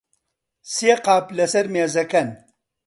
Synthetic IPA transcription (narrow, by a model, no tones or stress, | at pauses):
siːqaːplɐsɐɾmeːzɐkɐn